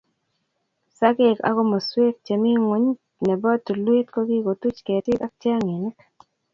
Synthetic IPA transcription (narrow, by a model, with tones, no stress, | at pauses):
sa˦ke˦ka̰˦ɡo˦mo˨swe˦k̚t͡ʃe˨mi˦ŋwo˨˦ɲ˦ | nɛ˨bɔ˦tːu˨lwe˦tko˦ɡi˦ko˨tu˦t͡ʃke˨tɪ˦ka˦k̚t͡ʃa˦ŋe˨nɪ˦k